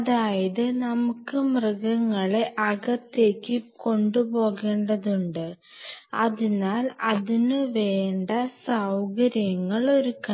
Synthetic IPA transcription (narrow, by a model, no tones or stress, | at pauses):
ɐðaːjɐðɨnɐmukːɨmrɐɡɐŋːɐɭe̞ʔɐɣɐt̪ːe̞ːkːɨko̞ɳɖubo̞ːɣe̞ːɳɖɐðuɳɖɨ | ɐðinaːlɐðinɨʋe̞ːɳɖɐsɐwɡɐɾjɐŋːɐɭo̞ɾukɐ